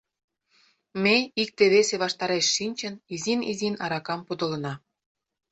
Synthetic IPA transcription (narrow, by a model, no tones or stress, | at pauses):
meik̚t̪eβeseβɑʃt̪ɑɾeʃːinʲt͡ɕə̆nizinizinɑɾɑkɑmpud̪ə̆lɤ̆nɑ